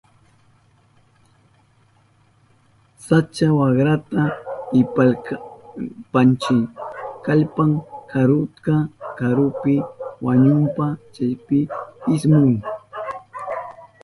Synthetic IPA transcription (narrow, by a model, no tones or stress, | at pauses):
sat͡ʃawɑχɾat̪aɪp | pant͡ʃɪkaʎpaŋkʰaɾʊt̪kakaɾʊpɪwaɲʊmpat͡ʃajpɪɪsmʊŋ